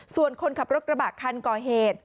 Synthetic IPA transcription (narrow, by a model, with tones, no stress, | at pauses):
su˨˩ənkʰo˧nkʰa˨˩p̚ɾo˦˥ɾa˧baː˨˩kʰːa˧nkɔː˨˩ɦeː˨˩t̪̚